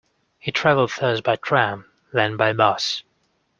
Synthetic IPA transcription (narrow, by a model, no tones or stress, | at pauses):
hitʰɹ̥ævəl̩ˠd̪̥̚θɜ˞sbaɪtʰɹ̥æ̃m | ðə̃nbaɪmʌs